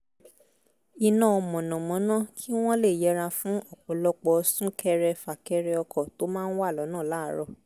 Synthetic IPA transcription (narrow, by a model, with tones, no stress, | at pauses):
i˧nã˦˨ɔ˧mɔ̃˨nɔ̃˨mɔ̃˨˦nã˦kʰi˦w̃ɔ̃˦le˦˨jɛ˨˦ɾa˧fũ˨˦ɔ˦˨k͡pɔ˨˦lɔ˧k͡pɔ˧sũ˦kʰɛ˧ɾɛ˧fa˨kɛ˧ɾɛ˧ɔ˧kʰɔ˦˨to˦mãː˦˧n̩˦wa˦˨lɔ˨˦nãː˦˨la˦ɾɔ˧˨